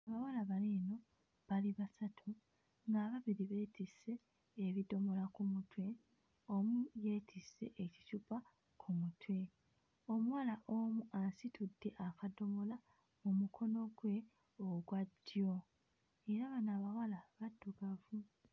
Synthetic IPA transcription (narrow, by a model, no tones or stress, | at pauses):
aβawalaβaliːno̞ | βaliβasatʰu | ŋɡaːβaβiɾiβe̞ːtise̞ː | βido̞mo̞lakumutʰwe̞ | omuje̞ːtʰise̞̰ʔeci̥cupa | kʰumutwe̞ | omuwalaʔomuʔansitʰudːe̞ʔakado̞mo̞la | mumukʰo̞no̞ɡwe̞ | oɡwadjo̞ | e̞ɾaβanaːβawalaβadːuɡavu